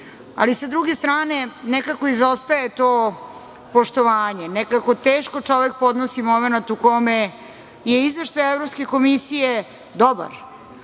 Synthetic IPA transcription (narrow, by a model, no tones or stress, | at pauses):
a̰lisad̪ɾuɡest̪ɾaːne̞nɛkakoizost̪aet̪oː | po̞ʃt̪oʋaːɲenɛkakot̪eːʃko̞t͡ʂo̞ʋek̚po̞d̪nosimo̞menat̪uko̞me | jeizʋe̞ʃt̪ajevɾopske̞ko̞misije | d̪oba̰ɾ